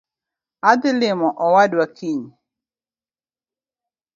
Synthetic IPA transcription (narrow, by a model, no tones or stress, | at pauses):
ad̪ɪlɪmɔʔɔwadwakʰiɲ